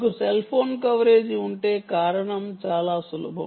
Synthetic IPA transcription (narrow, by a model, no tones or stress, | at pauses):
kuselpʰoːnkɐʋɾe̞ːd͡ʒiuɳʈe̞ːkaːɾɐɳɐmt͡ʃaːlaːsulṵbʱɐ̰